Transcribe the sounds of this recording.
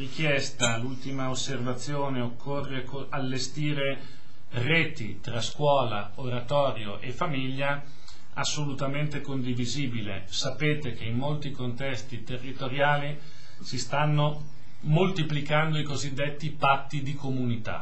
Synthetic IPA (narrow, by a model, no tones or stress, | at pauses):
rik̟jɛst̪alult̪imaosːervat̪sːjoːneokʰːorːekoalːest̪iːɾe | reːt̪ḭt̪ɾaskwɔːla̰ | oɾat̪ɔːɾjoʔefamiʎːa | asːolut̪ament̪ekond̪iviziːbilḛ | sapeːt̪ek̟eimːolt̪ikont̪ɛst̪it̪erːit̪oɾjaːli | sist̪anːo | molt̪iplikand̪oikozid̪ːet̪ːipat̪ːid̪ikomunit̪a̰